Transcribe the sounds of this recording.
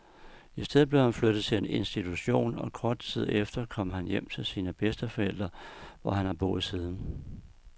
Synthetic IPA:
isd̥eðˠble̝ʊhænflød̥ð̩ˠt͡sʰe̝e̝ne̝nsd̥it͡sʰuɕo̝̰ːnɒ̽kʰɒːd̥̚t͡sʰið̞̰ˠefd̥ɐkʰɒ̽m̰ɦænjem̰t͡sʰe̝lsiːnəb̥esd̥əfɒ̽el̰d̥ʁɐʋɒhænhɑ̈b̥o̰̽ːð̩ˠsiːð̞ˠn̩

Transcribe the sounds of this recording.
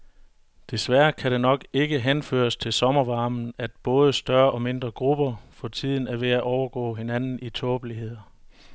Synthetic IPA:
d̥e̝sʋæɐkʰæɾe̝nɒ̽ɡ̥e̝ɡ̥əɦenfø̰ːɐst͡sʰe̝lsɒ̽mɐʋɑ̈ːmn̩æd̥̚b̥ɔ̽ːð̞ˠəsd̥ɶɐʔɒ̽me̝nd̥ʁɐɡ̥ʁub̥ɐfɒ̽t͡sʰið̞̰ˠn̩æɐʋe̝æʔɒʊɐɡ̥ɔ̰ːɦe̝nænn̩it͡sʰɔːb̥əliɦe̝ð̞̰ˠɐ

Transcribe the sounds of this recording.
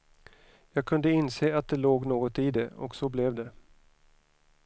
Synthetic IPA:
jɑːɡ̚kʰɵnd̪əɪnseːat̪̚d̪ɛloːɡnoːɡɔt̪id̪ɛɔ̰ksɔblɛvd̪ɛ

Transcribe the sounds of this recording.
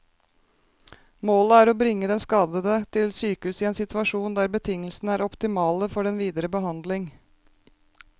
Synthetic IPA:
moːləæːɾobɾɪŋːəd̪ɛnskɑːd̪əd̪ət̪ʰɪlsyːkəhʉːsɪeːnsɪt̪ʰʉɑʂuːnd̪æːɾbət̪ʰɪŋːəlsnəæːɾɔpt̪ɪmɑːləfɔɖɛnʋiːd̪əɾəbəɦɑnd̪lɪŋ

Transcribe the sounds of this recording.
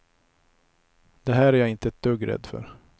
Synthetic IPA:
d̪̥ɛɦæːɾæɾjaːɪnt̪əɛt̪̚d̪̥ɵɡɾɛ̰d̪fœ̰ɾ

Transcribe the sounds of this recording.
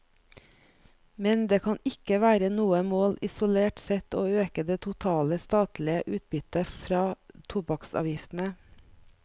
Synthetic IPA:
mɛnd̪eːkʰɑnɪkəʋæːɾənuːəmoːlɪsʊleːʈsɛt̪oːøːkəd̪eːt̪ʰʊt̪ʰɑːləst̪ɑːt̪lɪəʔʉːt̪̚bʏt̪əfɾɑːt̪ʰʊbɑksɑ̰ːʋjɪft̪n̩ə

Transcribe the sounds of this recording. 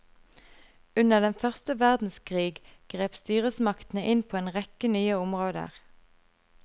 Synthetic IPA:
ʉnəʁd̪ɛnfœʁst̪əʋæʁd̪n̩skʰʁiːɡɡ̥ʁeːpst̪yːʁəsmɑkt̪n̩əʔɪnpʰoːeːnʁɛkənyːəʊmʁoːd̪ə̰ʁ

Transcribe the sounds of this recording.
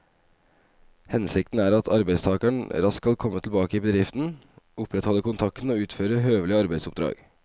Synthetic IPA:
hɛnsɪk̚t̪n̩æːɾɑt̪ʰɑɾbæɪst̪ʰɑːkəɳɾɑskkɑlkʰɔmːət̪ʰl̩bɑːkəɪbəd̪ɾɪft̪n̩ʊpʰɾɛt̪hɔləkʊnt̪ʰɑkt̪n̩oːʉːt̪føːɾəɦøːʋlɪəɑɾbæɪd̪sʊp̚d̪ɾɑ̰ːɡ̥

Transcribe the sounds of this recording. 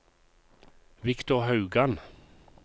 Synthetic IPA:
ʋɪkt̪ʊʁhɑʉɡan

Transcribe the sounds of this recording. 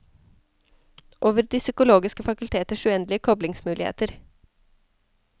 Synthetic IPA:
ʔoːʋəɾd̪iːsʏkʊloːɡɪskəfɑkʉlt̪ʰeːt̪əʃʉːɛnd̪lɪəkʰɔblɪŋsmʉːlɪhḛːt̪əɾ

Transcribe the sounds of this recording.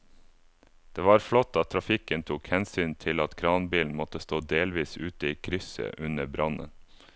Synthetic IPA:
d̪̥eːʋɑːɾflɔt̪ːɑt̪ʰɾɑfɪkənt̪ʰuːkhɛnsyːnt̪ʰɪlɑt̪kʰɾɑːnbiːln̩mɔt̪əst̪oːd̪eːlʋiːsʉːt̪əiːkʰɾʏsə̰ʔʉnəbɾɑnə̰n

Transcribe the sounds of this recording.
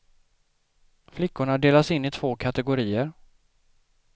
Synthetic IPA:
flɪkːʊɳaɖeːlasɪnːɪt̪ʰv̥oːkʰat̪ɛɡʊɾiːəɾ

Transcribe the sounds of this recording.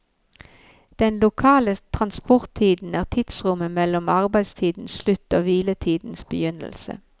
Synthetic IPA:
d̪̥ɛnlʊkʰɑːlət̪ʰʁɑnspɔʁt̪ʰːiːd̪n̩æːʁt̪ʰɪt̪sʁʊməmɛlɔmɑʁbæɪst̪ʰiːd̪n̩sslʉt̪oːʋiːlət̪ʰiːd̪n̩sbəjʏnə̰lsə̰

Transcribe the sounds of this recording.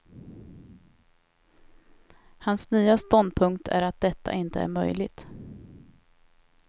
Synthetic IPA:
hansnyːast̪ɔnd̪̚pʰɵŋkt̪ʰæ̰ɾat̪̚d̪ɛt̪ʰːa̰ʔɪnt̪əæ̰ɾmœ̰jlɪɡ̚t̪

